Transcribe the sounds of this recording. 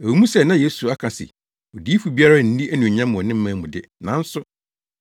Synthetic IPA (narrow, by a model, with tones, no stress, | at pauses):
æ˨u˨˦mũ˦sɛ˦nã˦je˦su˨a˦kʰã˨sɪ̰˨ | o˨di˦fu˨bi˦a˦ɾa˦˨n̩˦di˦ʔæ˦nũ˨ɲã˦mːʊ̃˨ɔ˨nɪ̃˦m̩˦mã˨˦mʊ̃˨dɪ˦nã˨˦n̩˦sʊ˦